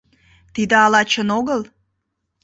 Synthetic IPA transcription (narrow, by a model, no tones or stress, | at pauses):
t̪id̪əɑlɑt͡ɕənoɣəl